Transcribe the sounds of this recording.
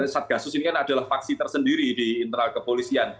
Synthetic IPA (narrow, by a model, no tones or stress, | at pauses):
sat̪̚ɡ̥asʊsinikanadalahfak̚sit̪ərsəndiɾidiːnt̪əɾalkəpolisian